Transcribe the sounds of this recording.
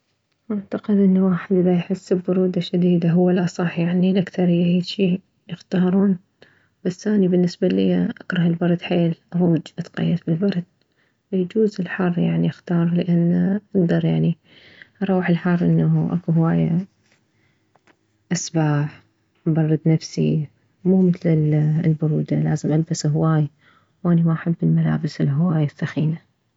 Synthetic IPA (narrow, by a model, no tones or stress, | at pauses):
ʔaʕt̪aqɪd̪ʔɪnːawaːħɪd̪ʔlajħɪsːbːʊɾuːd̪aʃad̪iːd̪aɦʊwːalʔɑsˤɑħjaʕnilʔakθɑɾˤjaʕiːd̪ʃi | jɪxt̪ɑːɾˤuːn | b̥asːʔaːnibɪnːɪsbalɪ̰jːaʔakɾˤɑhɪlbɑɾˤd̪ħeːlʔaɾˤuːd͡ʒʔat̪qa̰jːad̪bɪlbɑɾˤd̪̚ | wjd͡ʒuːzɪlħɑrˤːjaʕniʔxt̪ɑːɾˤlɪʔanːʔaɡ̚d̪ɑɾˤjaʕni | ʔɑɾˤuːħɪlħɑrˤːʔɪnːaʔa̰kuɦwaːja | ʔasbaːħ | bɑrˤːɑd̪nafsḭ | muːmɪθlɪlbʊɾuːd̪alaːzɪmʔalbasɦwaːj | wʔanimaʔaħabːɪlmala̰ːbɪsɪlɦwaːjɪθːaxiːna